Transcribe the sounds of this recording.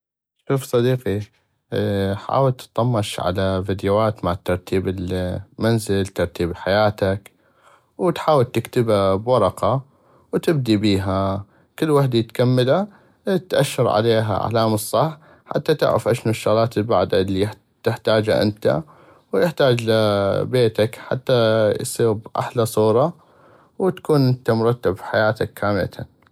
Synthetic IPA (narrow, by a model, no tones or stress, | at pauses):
ʃuːfsˤɑd̪iːqi | ħa̰ːwɪlt̪ɨ̥t̪ˤːɑmːɑʃʕa̰lavid̪jaːt̪maʕt̪ːɑɾˤt̪iːbɪlmanzɪlt̪ɑɾˤt̪iːbħajaːt̪ak | wt̪ħaːwɪlt̪ɪkt̪ɪbabwɑɾˤɑqɑ | wt̪ɪb̚d̪ibiːɦa | kɪlːwaħd̪ajɪt̪kamːala | t̪ʔaʃːɑɾˤʕa̰leːɦa̰ʕa̰laːmɨsˤːɑħː | ħa̰t̪ːat̪ɪ̰ʕɾa̰fʔaʃnuʃːʊɣlaːt̪ɪlba̰ʕd̪alːi | t̪ɪħt̪aːd͡ʒaʔɪ̰nt̪a̰ | wjɪħt̪aːd͡ʒlabeːt̪akħa̰t̪ːajsˤiːɾbʔa̰ħlasˤuːɾˤɑ | wt̪ḁkuːnʔɪnt̪amʊɾˤɑt̪ːabfħajaːt̪akːaːmɪla